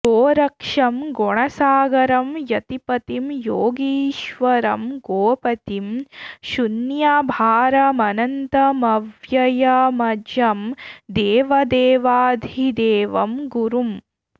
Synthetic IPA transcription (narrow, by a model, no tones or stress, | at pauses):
ɡoːɾɐkʂɐmɡɔɳɐsaːɡɐɾɐmjɐt̪ipɐt̪imjoːɡiːʃʋɐɾɐmɡoːpɐt̪imʃunjaːbʱaːɾɐmɐnɐnt̪ɐmɐʋjɐjɐmɐd͡ʒɐmd̪eːʋɐd̪eːʋaːd̪ʱid̪eːʋɐmɡuɾum